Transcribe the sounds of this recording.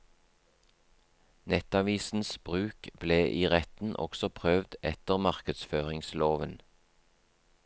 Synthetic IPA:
nɛt̪ɑʋiːsn̩sb̥ʁʉːkb̥leːʔiːʁɛt̪n̩ʔɔ̰ksɔpʰʁøʋd̪ɛt̪əʁmɑʁkəd̪sføːʁɪŋsloːʋən

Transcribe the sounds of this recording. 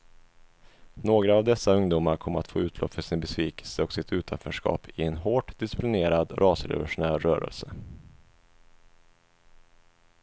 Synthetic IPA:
noːɡɾaːvd̪ɛsːaɵŋd̪uːmaɾkʰɔmːəɾat̪fo̰ːʉ̟ːt̪ʰlʔɔ̰pːfœʂɪnbɛsviːkɛ̥lsəɔksɪt̪ʉ̟ːt̪ʰanfœʂkɑ̰ːpʰɪɛnɦoːʈd̪ɪsɪplɪneːɾad̪ɾʔɑːsɾɛ̰vʊʂʊnæːɾːœːɾə̰lsə

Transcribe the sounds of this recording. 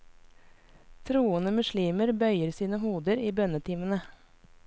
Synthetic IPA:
t̪ʰɾuːənəmʉʃɭiːməɾbœʏəɾsiːnəhuːd̪əɾiːbœnət̪ʰiːmənə

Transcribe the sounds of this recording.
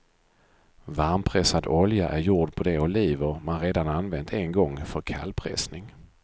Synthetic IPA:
vaɾmpʰɾɛsad̪ɔljaʔæɾjuːɖpʰɔd̪ɛʊliːvəɾmanɾeːd̪ananvɛnt̪ʰɛnɡɔŋːfœɾkʰa̰lpʰɾɛ̰snɪŋ

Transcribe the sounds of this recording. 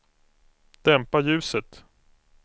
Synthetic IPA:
d̪̥ɛmpajʉ̟ːsət̪

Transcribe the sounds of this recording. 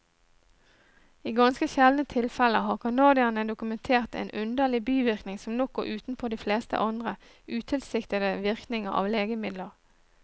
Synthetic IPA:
iːɡɑnskəçɛlnət̪ʰɪlfɛləɦɑːʁkʰɑnɑːd̪ɪɑnəd̪ʊkʉmɛnt̪ʰeːʁt̪ḛːnʔʉnd̪əlɪbyːʋɪʁknɪŋsɔmnɔk̚ːʊʔʉːt̪n̩pʰoːd̪iːfleːst̪ə̰ʔɑnd̪ʁə | ʔʉːt̪ʰɪlsɪkt̪əd̪əʋɪʁknɪŋəɑ̰ːʋleːɡəmɪd̪ləʁ

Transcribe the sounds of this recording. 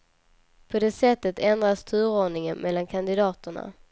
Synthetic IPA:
pʰɔd̪eːsɛt̪ːət̪ʰɛnd̪ɾast̪ʰʉ̟ːɾoːɳɪŋənmʔɛlːankʰand̪ɪd̪ɑːt̪əɳa̰

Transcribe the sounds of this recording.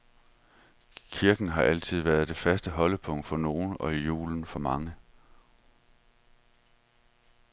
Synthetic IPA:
kʰiɐɡ̥n̩ɦɑ̈ʔæl̰t͡sʰið̞̰ˠʋæɐð̞ˠd̥e̝fæsd̥əɦɒ̽ləpʰɔ̽ŋ̰d̥fɒ̽no̝ːn̩ɒ̽ijṵːln̩fɒ̽mɑ̈ŋə

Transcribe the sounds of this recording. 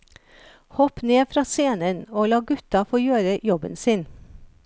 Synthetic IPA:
hɔpneːfɾɑːseːnənoːlɑːɡʉt̪ɑfoːjøːɾəjɔbə̰nsɪn

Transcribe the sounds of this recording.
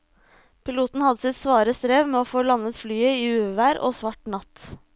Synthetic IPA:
pʰɪluːt̪n̩hɑd̪əsɪt̪sʋɑːɾəst̪ɾeːʋmeːoːfoːlɑnət̪flyːəiːʉːʋæːɾʔo̰ːsʋɑʈnɑt̪

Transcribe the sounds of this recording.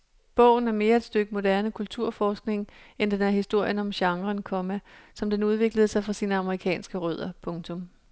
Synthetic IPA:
b̥ɔ̽ʊ̰n̩æɐme̝ːɐe̝d̥sd̥øɡ̥əmo̝d̥æɐnəkʰult͡sʰuɐ̰fɒːsɡ̥ne̝ŋend̥enæɐɦhisd̥o̝ɐ̰jənɒ̽mɕɑ̈ŋʁɐnkʰɒ̽mæsɒ̽md̥enuð̞ˠʋe̝ɡ̥ləð̞̩ˠəsɑ̈ɪfʁɑ̈siːnəɑ̈məʁikʰɛ̰ːnsɡ̥əʁø̰ð̞̰ˠɐpʰɔ̽ŋt͡sʰɔ̽m

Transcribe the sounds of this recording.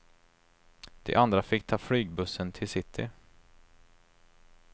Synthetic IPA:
d̪̥ɛ̰ʔand̪ɾafɪk̚ːt̪ʰɑːflyːɡ̚bɵsːənt̪ʰɪlsɪt̪ʰːɪ̰

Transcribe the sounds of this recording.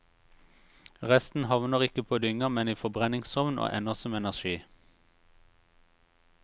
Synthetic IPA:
ʁɛst̪n̩hɑʋnəʁɪkəpʰoːd̪ʏŋəmɛniːfɔbʁɛnɪŋsɔʋnʔo̰ːʔɛnəʁsɔmɛnæʁʃiː

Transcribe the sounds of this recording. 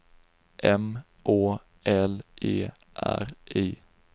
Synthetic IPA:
ʔɛm | ʔoː | ʔɛlʔeː | ʔæ̰ɾʔeː

